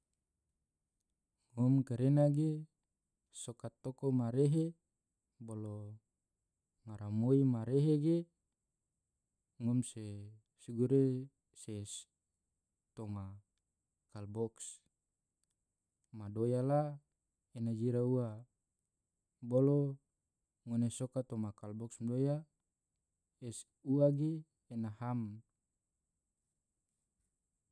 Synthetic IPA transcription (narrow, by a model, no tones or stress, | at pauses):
ŋɔmkeɾenaɡe | sokat̪ːokomaɾeɦe | bolo | ŋaɾamoimaɾeɦeɡe | ŋɔmse | siɡuɾe | ses | t̪oma | kalbɔks | madojala | enad͡ʒiɾaua | bolo | ŋonesokat̪omakalbɔksmadoja | es | uaɡeː | naham